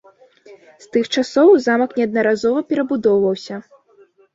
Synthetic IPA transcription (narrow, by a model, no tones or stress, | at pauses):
st̪ɨxt͡ʂasɔwzamɐknʲɛɐd̪nɐɾazɔvɐpʲɛɾɐbud̪ɔwvɐwsʲɐ